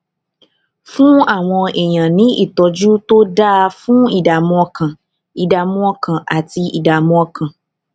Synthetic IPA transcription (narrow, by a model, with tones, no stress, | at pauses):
fũ˦a˦˨w̃ɔ̃˧e˨j̃ã˨nĩ˨˦ʔḭ˦˨tɔ˧d͡ʒu˦to˦da˦a˧fũ˦i˦˨da˨mɔ̃˧ɔ˧kʰã˨ | i˨da˨mũ˦ɔ˧kã˨a˨ti˧ḭ˨da˨mɔ̃˧ɔ˧kʰã˨